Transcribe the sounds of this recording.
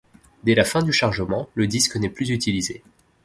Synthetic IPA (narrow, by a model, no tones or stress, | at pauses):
d̪ɛlafɛ̃d̪yʃaʁʒəmɑ̃ləd̪isknɛplyzyt̪ilize